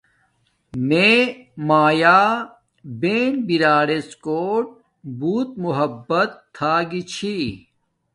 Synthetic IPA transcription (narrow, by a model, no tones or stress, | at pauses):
meːmaːjaː | beːnbiɾaːɾeskoːʈ̚ | buːt̪muɦɐbːɐt̪ʰːaːɡit͡ɕʰi